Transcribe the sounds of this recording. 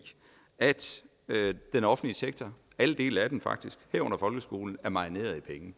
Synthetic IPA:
æd̥ | ød̥enɒ̽fn̩liseɡ̥̚t͡sʰɒ | æləd̥e̝̰ːlæd̥emfɑ̈ɡ̥̚d̥isɡ̥hæɐ̰ɔ̽n̰ɐfɒ̽lɡ̥əsɡ̥o̝̰ːln̩æɐmɑ̈ine̝̰ːɐð̩ˠipʰeŋ

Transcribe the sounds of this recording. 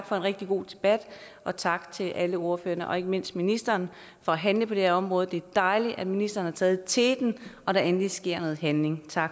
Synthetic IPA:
ɡ̥fɒ̽e̝nʁɛɡ̥̚d̥iɡ̥o̝̰ːd̥e̝b̥æd̥ | ʔɒ̽t͡sʰɑ̈ɡ̥t͡sʰe̝lʔæləo̝ɐfø̰ːɐnəʔɒ̽e̝ɡ̥əme̝n̰sd̥minisd̥ɐːn | fɒ̽æɦænləpʰɒ̽d̥eeɐɒ̽mʁɔ̽ːð̩ˠd̥e̝æɐd̥ɑ̈ɪliʔæd̥minisd̥ɐːn̩hɑ̈t͡sʰɛːð̩ˠt͡sʰe̝d̥nʔɒ̽ɾ̥æɐenlisɡ̥e̝ɐ̰nɔ̽ːð̩ˠɦænle̝ŋt͡sʰɑ̈ɡ̥

